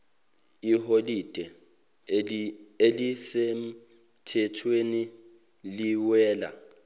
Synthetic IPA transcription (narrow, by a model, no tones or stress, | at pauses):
iholid̥ʱɛ | elisem̩ | tʰɛtʰweni | liwɛːla̰